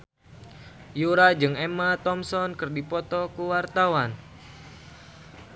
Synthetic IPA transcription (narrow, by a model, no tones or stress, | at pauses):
juɾad͡ʒɨŋɛmat̪ɔmsɔnkɨrdipɔt̪ɔkuwart̪awan